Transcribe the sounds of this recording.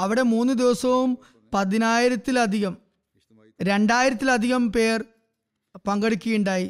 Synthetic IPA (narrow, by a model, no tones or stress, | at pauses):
ɐʋiɽe̞muːnːɨd̪iʋɐsɐʋum | pɐðinaːjiɾɐt̪ːilɐd̪ʱiɣɐm | ɾe̞ɳɖaːjiɾɐt̪ːilɐd̪ʱiɣɐmpe̞ːr | pɐŋɡɐɽikʲːujuɳɖaːji